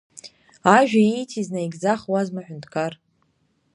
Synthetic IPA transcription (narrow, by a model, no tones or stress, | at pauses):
aʒᶣaijtʰiznajɡʲzaχwazmaħʷᶣʊntʰkʰar